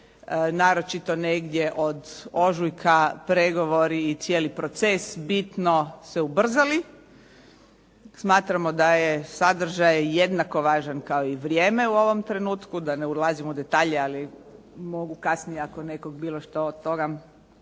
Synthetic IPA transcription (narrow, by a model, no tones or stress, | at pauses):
naːɾo̞t͡ʃit̪o̞neɡd̪jeʔod̪oʒujkʰapɾeɡo̞ʋo̞ɾiːt̪sjeːlipɾo̞t̪sesbit̪noseubr̩zali | smaːt̪ɾamod̪ajesad̪r̩ʒajjed̪nako̞ʋaːʒankaoiʋɾjeːmeuo̞ʋo̞mt̪ɾe̞nuːt̪kud̪aneulazimud̪e̞t̪aːʎeali | mo̞ɡukasnijeakone̞koɡbiːloʃt̪ood̪t̪o̞ɡa